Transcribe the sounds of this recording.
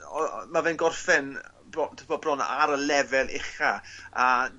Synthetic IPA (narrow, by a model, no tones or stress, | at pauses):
ɔmavɛnɡɔrfɛn | bɔtʰɪbɔbrɔna̰ɾəlɛvɛlˠʔɪ̰χaa